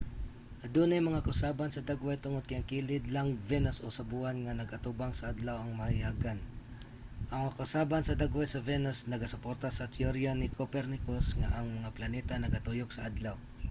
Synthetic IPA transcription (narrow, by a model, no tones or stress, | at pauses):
ʔɐd̪unajmɐŋakɐsabansɐd̪aɡwajt̪ʊŋod̪̚kɐjʔaŋkilɪd̪laŋvɛnosʔosɐbuʔanŋanɐɡɐt̪ubaŋsɐʔad̪lawɐŋmɐjaɡan | ʔɐŋmŋakɐsabansɐd̪aɡwajsɐvɛnosnɐɡɐsʊpoɾt̪asɐt̪joɾjanɪkopɛɾnɪkosŋaʔɐŋmɐŋaplɐnɛt̪anɐɡɐt̪ujok̚sɐʔad̪law